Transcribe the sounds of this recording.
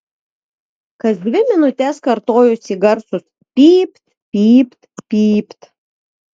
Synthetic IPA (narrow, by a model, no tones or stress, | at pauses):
kɐsd̪ʲʋʲɪmʲɪnʊt̪ʲɛskɐɾt̪oːjʊsʲiɡɐɾsʊs | pʲiːpʲt̪ | pʲiːpʲt̪pʲiːpʲt̪